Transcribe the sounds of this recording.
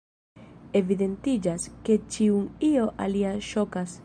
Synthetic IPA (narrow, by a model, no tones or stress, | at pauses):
evid̪ent̪id͡ʒasket͡ʃiuŋioʔaliaʃokas